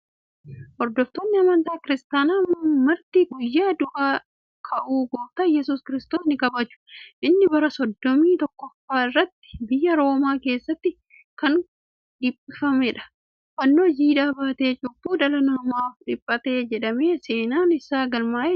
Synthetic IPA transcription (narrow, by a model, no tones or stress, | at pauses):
ʔɔɾd̪ɔft̪onːɪɐmɐnt̪aːkɪɾɪst̪aːnaːmɐɾt̪iːɡʊjːaːd̪ʊʔaː | kʰɐʔuːɡɔːt̪ɐjɛsuːskɪɾɪst̪oːsnɪkɐbɐt͡ʃːʊ̥ʔɪnːɪbɐɾɐsɔd̪ːɔmiːt̪ɔkːɔfːaːɪrːɐt̪ːɪ̥bɪjːɐɾo̞ːmaːke̞ːsːɐt̪ːɪ | kɐŋ | ᶑɪpʼːɪfɐmɛᶑɐ̥ | fɐnːoːd͡ʒiːᶑaːbaːt̪e̞ːt͡ʃʼʊbːuːd̪ɐlɐnɔɾmaːfᶑɪpʼːɐt̪e̞ːd͡ʒɛᶑɐme̞ːse̞ːnaːnɪsaːɡɐlmaːʔ